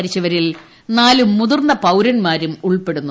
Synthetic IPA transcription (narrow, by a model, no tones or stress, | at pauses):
ɾit͡ɕːɐʋɐɾil | naːlumːuðurnːɐpɐwɾɐnmaːɾumuɭpe̞ɽunːu